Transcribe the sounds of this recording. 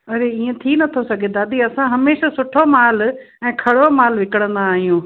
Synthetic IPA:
ɐɾeiːẽt̪ʰinɐt̪ʰosɐɡʱẽnd̪ad̪iɐsãɦɐmeːʃasʊʈʰomaːl | ɛ̃ːkʰɐɽomaːlʋɪkəɽ̃ə̃nd̪aːɦijũ

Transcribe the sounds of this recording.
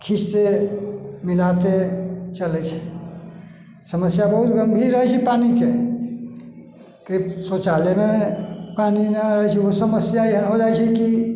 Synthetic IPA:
kʰist̪e | milat̪et͡ʃələt͡ʃʰɛ̥ | səməsjabəɦut̪ɡʱəmbʱiɾːəɦɛt͡ʃʰɛpanike | k̪əisot͡ʃalemepanineaɾəɦt͡ʃʰɛosəməsjaiɦənɦod͡ʒajt͡ʃʰɛki

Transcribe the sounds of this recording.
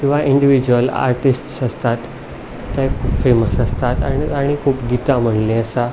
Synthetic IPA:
kĩw̃ʋaʔiɳɖiʋid͡ʑuəla̰ɾʈisʈsəst̪at̪ː | ɛ̃kʰuːpfeməsəst̪at̪a̰ɽiaɽ̃ikʰuːpɡit̪am̤əɳlẽəsa

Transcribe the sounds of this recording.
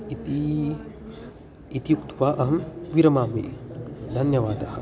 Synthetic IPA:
it̪i | it̪ijukt̪ʋaːʔɐɦɐmʋiɾɐmaːmḭd̪ʱɐnjɐʋaːd̪ɐhɐ̰̆

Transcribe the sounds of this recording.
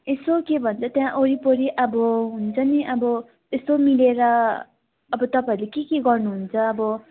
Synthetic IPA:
esokebʱʌnt͡sʰʌt̪jãʔoɾipoɾiʔʌbʌɦunt͡sʰʌniʔʌbʌ | t̪est̪omileɾʌː | bʌt̪ʌpaiɾlekekeɡʌrnuɦunt͡sʰʌːbʌ

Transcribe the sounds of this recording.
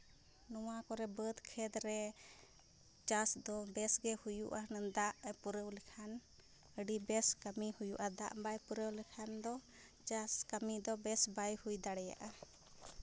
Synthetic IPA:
nɔwakɔɾɛbəd̪kʰɛd̪ɾɛ | d͡ʒasd̪ɔbɛsɡɛhujṵʔanənd̪aʔpuɾəwlɛkʰan | əɖibɛskəmihujṵʔad̪a̰ʔbajpuɾəwlɛkʰand̪ɔ | d͡ʒaskəmid̪ɔbɛsbajhujd̪aɽɛja̰ʔa

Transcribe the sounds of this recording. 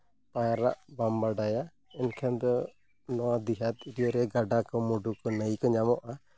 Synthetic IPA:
pajaɾa̰ʔbambaɖaja | ɛnkʰɛnd̪ɔ | nɔwad̪iɦat̪iɖijɔɾɛɡaɖakɔmuɖukɔnəjkɔɲamɔʔa

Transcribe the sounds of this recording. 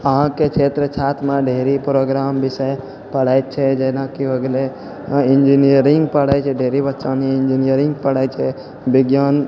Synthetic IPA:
əɦãket͡ʃʰet̪ɾət͡ʃʰat̪ʰmeɖʱeɾipɾoɡɾambisəj | pəɽ̤ajt̪t͡ʃʰɛd͡ʒenakiɦoɡle | ind͡ʒiniəɾĩŋɡpəɽaːt͡ʃʰɛɖʱeɾibətːʃaniɪnd͡ʒinijəɾiŋɡpəɽaːt͡ʃʰɛ | biɡjaːn

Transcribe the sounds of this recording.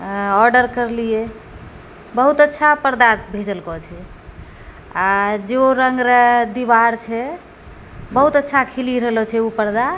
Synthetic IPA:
ɔɾɖəɾkəɾlije | bəɦut̪ətːʃʰapəɾd̪abʱed͡ʒəlkɔt͡ʃʰɛ | ad͡ʒeoɾəŋɡɾəd̪iβaɾt͡ʃʰɛ | bəɦut̪ətːʃʰakʰiliɾəɦlɔt͡ʃʰɛupəɾd̪a

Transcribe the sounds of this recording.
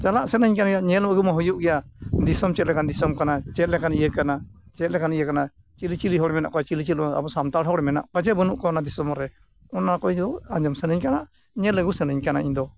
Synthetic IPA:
t͡ʃalaʔsɛnəɲkanaɡɛjaʔɲɛlməɡumaɦɔjuʔɡɛjad̪isɔmt͡ʃɛt̪̚lɛkand̪isɔmkanat͡ʃɛt̪̚lɛkanijəkanat͡ʃɛt̪̚lɛkanijəkana | t͡ʃilit͡ʃiliɦɔɽɛmɛna̰ʔkɔjat͡ʃilit͡ʃit̪̚a̰bɔsamt̪aɽɦɔɽɛmɛna̰ʔkad͡ʒɛbənuʔkɔɔnad̪isɔmɔɾɛ | ɔnakɔiɲd̪ɔãɲd͡ʒɔmsɛnəɲkanaʔ | ɲɛləɡusɛnəɲkanaʔiɲd̪ɔ

